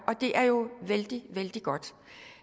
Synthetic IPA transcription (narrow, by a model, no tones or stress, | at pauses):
ʔɒ̽d̥e̝ʔæɐjo̝ʋeld̥iʋeld̥iɡ̥ɒ̽d̥